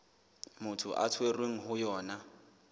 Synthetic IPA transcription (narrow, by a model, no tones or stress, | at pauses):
mʊtʰʊ̰ʔa̰tʰwerweŋ̩ɦʊjɔːna